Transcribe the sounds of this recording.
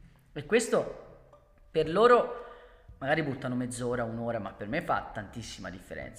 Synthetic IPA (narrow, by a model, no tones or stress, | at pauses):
ekːwest̪o | perloːɾo | maɡaːɾibut̪ːanomed̪zːoːɾaunoːɾamapːermefːa̰t̪ːant̪isːima̰d̪ifːḛɾɛ̰nt̪sa